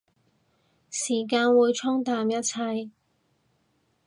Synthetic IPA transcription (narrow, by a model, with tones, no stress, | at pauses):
siː˨˩kaː˧nwuː˨˧jt͡ʃʰʊ˥ŋt̪aː˧mjɐ˥t̚t͡sʰɐ˧j